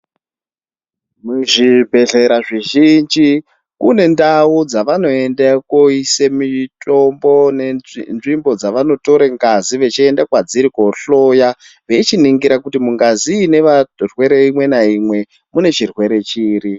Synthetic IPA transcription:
muʐibʱe̞ɮe̞ɾaʐiʒind͡ʒi | kune̞ndaud͡zaʋano̞e̞ndakoisemitʼo̞mbo̞nenʐimbo̞d͡zaʋano̞to̞ɾeŋɡaziʋe̞t͡ʃiendakwad͡ziɾiko̞ɬo̞ja | ʋe̞t͡ʃiniŋɡiɾakutimuŋɡaziːne̞ʋarwe̞ɾe̞imwe̞naimwe̞ | mune̞t͡ʃirwe̞ɾe̞t͡ʃiːri

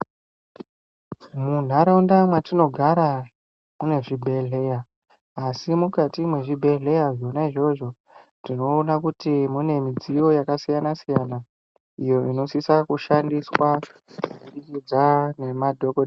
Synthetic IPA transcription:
mun̤aɾaundamwatino̞ɡʱaɾa | mune̞ʐibʱe̞ɮe̞jaː | simukatimwe̞ʐibʱe̞ɮe̞jaʐo̞naiʐo̞ʐo | tino̞ːnakutimune̞mid͡zijo̞jakasijanasijana | ijo̞ʔino̞sisakuʃandiswakuikid͡zane̞madʱo̞ko

